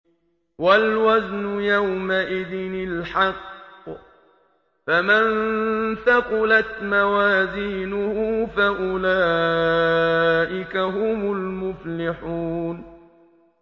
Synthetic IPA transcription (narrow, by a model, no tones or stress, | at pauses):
walwaznʊjawmaʔɪðɪnɪlħɑqː | famanθaqʊlat̪mawaːziːnʊhʊːfaʔʊlaː | ʔɪkaɦʊmʊlmʊflɪħuːn